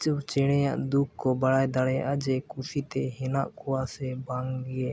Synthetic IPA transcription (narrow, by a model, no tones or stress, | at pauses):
t͡ʃwt͡ʃɛɽ̃ɛjaʔd̪ukkːɔbaɽajd̪aɽɛjaʔad͡ʒɛkusit̪ɛɦɛnaʔkɔwasɛbaŋɡɛ